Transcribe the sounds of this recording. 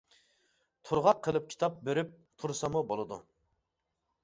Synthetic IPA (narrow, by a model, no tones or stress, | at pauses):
t̪ʰuɾʁɑqʰːəlˠɨp̚kʲʰi̥t̪ʰɑp̚bøɾyp̚ | t̪ʰuɾsɑmubolˠɨd̪ṵ